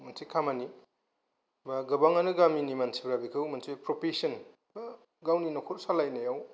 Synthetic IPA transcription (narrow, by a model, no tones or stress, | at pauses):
mɐnsʰikʰamani | baɡɐbaŋanɯɡaminimansʰibɾabikʰɯwmɐnsʰipɾopisɐn | ba | ɡawninɔkʰoɾsalajnajaw